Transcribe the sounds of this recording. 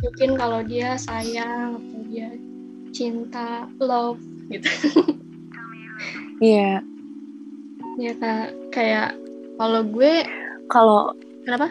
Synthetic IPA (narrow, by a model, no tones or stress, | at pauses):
mukɪnkalodiasajaŋat̪awdia | t͡ʃint̪alɔf | ɡit̪u̥ | ija | jakakajaʔ | kaloɡuɛkalo | kənapa